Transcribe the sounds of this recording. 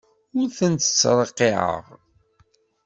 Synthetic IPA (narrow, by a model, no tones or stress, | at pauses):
ʊɾθənt̪ə̥t͡sːɾˤəqːiʕə̰ʁ